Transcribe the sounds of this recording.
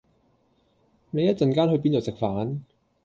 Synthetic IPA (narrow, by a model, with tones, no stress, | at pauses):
ne˨jɐ˥t̚t͡sɐ˨nkaː˥nhɵ˧ɥp̬iː˥nt͡so˨˩wsɪ˨k̚faː˨˥n